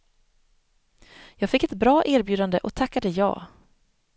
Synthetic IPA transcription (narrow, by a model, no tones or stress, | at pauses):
jɑːɡfɪkːɛt̪bɾɑːʔæːɾbjʉ̟ːd̪and̪əʔɔt̪ʰakːad̪əjɑ̰ː